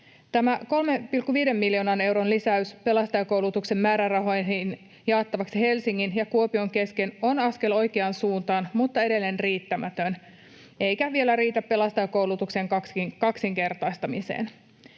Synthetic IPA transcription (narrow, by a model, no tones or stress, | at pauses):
t̪æmæko̞lme̞pilkːuʋiːde̞mːiljo̞ːnɑne̞wɾonlisæyspe̞lɑst̪ɑjɑkowlut̪ukse̞mmæːɾærɑɦo̞jnɦin | jɑːt̪ːɑʋɑksihe̞lsiŋːinjɑkuo̞pio̞ŋke̞ske̞no̞nɑske̞lo̞jkeɑːnsuːnt̪ɑːnmut̪ːɑe̞ɾe̞lːenriːt̪ːæmæt̪øn | e̞ijkæʋie̞læɾiːt̪æpːe̞lɑst̪ɑjɑkouwlut̪ukseŋkɑkskɑksiŋke̞rt̪ɑjst̪ɑmisḛːn